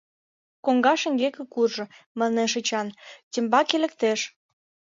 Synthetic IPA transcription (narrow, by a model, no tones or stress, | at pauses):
koŋɡɑʃə̆ŋɡekə̆kurʒɤ̆ | mɑneʃ̬ət͡ɕɑntʲĕmbɑkelə̆k̚t̪eʃ